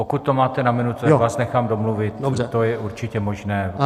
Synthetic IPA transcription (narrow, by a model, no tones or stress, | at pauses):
okut̪̚ːomaːt̪ɛnamɪnut̪uvaːsnɛxaːmdomluvɪt̪oɛt̪ojɛʔuɾt͡ʃɪcɛmo̞ʒnɛː